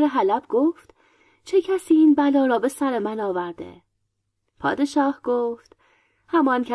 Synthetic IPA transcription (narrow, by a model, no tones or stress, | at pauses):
ɾeɦælæbɡoːft̪ | t͡ʃʰe̞cʰæsiːiːnbælɒːɾɒːbe̞sæɾemænɒːvæɾd̪ḛ | pʰɒ̰ːd̪e̞ʃɒːhɡ̥oːft̪ | hæmɒːncʰæ